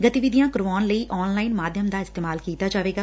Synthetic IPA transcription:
ɡət̪iʋɪd̪ijãːkʊɾʋaːnləiːʔɔːnlaːɪnmaːd̪ʱjəmd̪aːɪst̪eːmaːlkiːt̪aːd͡ʒaːʋeːɡaː

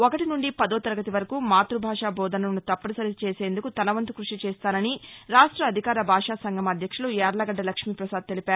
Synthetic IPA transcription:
okɐʈinuɳɖipɐd̪ɔːt̪ɐɾɐɡɐt̪iʋɐɾɐkuːmaːt̪ɾubʱaːʂaːbʱɔːd̪ɐnɐɐnut̪ɐpːɐnɐsɐɾit͡ʃeːse̞ːnd̪ukut̪ɐnɐʋɐnt̪ukɾuʂit͡ʃɛːst̪aːnɐniɾaːʂʈɾɐːd̪ʱikaːɾɐbʱaːʂaːsɐŋɡɐmɐd̪ʱjɐkʂɐluaːɾlɐɡɐɖːɐlɐkʂmiːpɾɐsaːd̪̚t̪elipaːɾu

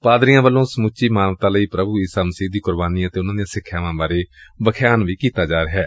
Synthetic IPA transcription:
paːd̪ɾijãːʋəlːõːsəmut͡ʃːiːmaːnʋət̪aːləiːpɾəbuːiːsaːməsiːd̪iːkʊɾbaːniːət̪eːʊnãːd̪ijãːsɪkʰːjaːʋãːbaːɾeːbəkʰjaːnʋiːkiːt̪aːd͡ʒaːɾeɦɛː

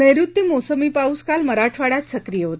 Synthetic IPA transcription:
nəjɾut̪ːimosəmipauskalməɾaʈʰʋaɽat̪səkɾijəɦot̪e

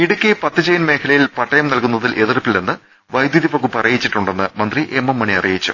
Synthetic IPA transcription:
iɽukʲːepɐt̪ːɨd͡ʑɐjɐnme̞ːkʰɐlɐjilpɐʈːɐjɐmnɐlkunːɐðilʔe̞ðirpːilːenːɨ | ʋɐjd̪juðifɐkːupɐrɐjit͡ɕːiʈːuɳɖe̞nːɨmɐnd̪riʔemːɐmːɐɳiɐrijit͡ɕːṵ

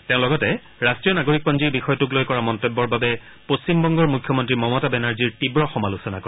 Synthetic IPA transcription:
teʊ̃lɔɡɔtɛ | ɹastɹijɔnaɡoɹik̚pɔnziɹbixɔjɔtuk̬lojkɔɹamɔntobːɔɹbabɛ | post͡ɕimbɔŋɡɔɹmukʰjɔmɔntɹimɔmɔtabɛnaɹziɹtibɹɔxɔmalusɔnakɔ

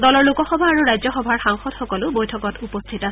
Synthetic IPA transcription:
dɔlɔɹlukɔxɔbʱaːɹuɹajzɔxɔbʱaɹxaŋxɔdxɔkɔlʊbojtʰɔkɔtupɔstʰitasɛ

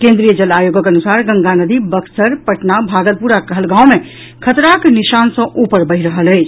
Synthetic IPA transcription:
kẽnd̪ɾijəd͡ʒəlajoɡəkənusaɾɡə̃ŋɡanəd̪ibəksəɾpəʈnabʱaɡəlpuɾakəɦəlɡãwme | kʰət̪ɾakniʃansə̃ʔupəɾbəɦiɾəɦələɪt͡ʃʰ

